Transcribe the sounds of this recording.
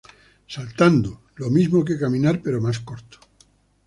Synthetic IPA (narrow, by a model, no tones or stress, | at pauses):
salt̪and̪o | lomizmokekamĩnaɾpe̞ɾomaskoɾt̪o̥